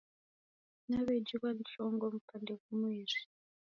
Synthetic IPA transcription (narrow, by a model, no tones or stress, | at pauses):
naβed͡ʒikwanɬɔŋɡɔm̩kandevumweːri̥